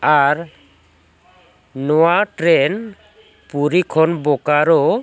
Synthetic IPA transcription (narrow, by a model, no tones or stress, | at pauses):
aɾ | nɔwaʈɾen | puɾikʰɔnbɔkaɾɔ